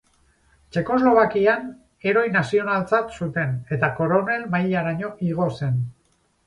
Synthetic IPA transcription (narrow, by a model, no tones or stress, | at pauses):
t͡ʃe̞ko̞zlo̞β̞akian | e̞ɾo̞jnasio̞nalt͡sat̪sut̪e̞ne̞t̪ako̞ɾo̞ne̞lmajʎaɾaɲo̞ʔiɣ̞o̞se̞n